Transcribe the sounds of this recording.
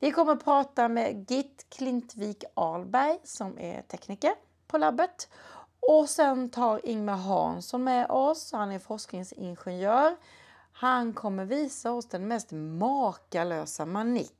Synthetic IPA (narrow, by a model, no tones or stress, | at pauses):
vɪkʰɔmːəɾpʰɾɑːt̪amɛɡɪt̪ːkʰlɪnt̪viːkɑːlbæɾjsɔmæ̰t̪ʰɛkniːkəɾ | pʰɔlabːət̪ | ɔsɛnt̪ʰɑːɾɪŋmaɦɑ̰ːnsɔnmɛʔɔshanæɾfɔʂknɪŋsɪ̰nɧɛnjœːɾ | hankʰɔmːəɾviːsaɔsd̪ɛnmɛst̪mɑːkaløːsamanɪ̰k